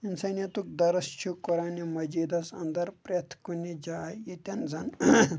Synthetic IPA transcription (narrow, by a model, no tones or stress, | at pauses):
insɐnɐt̪uk̚d̪ɐɾɐst͡ʃʰukuɾaːnimɐd͡ʒid̪ɐsɐ̰nd̪ɐɾpɾet̪ʰkunid͡ʒajit̪ʲɐnd͡zɐn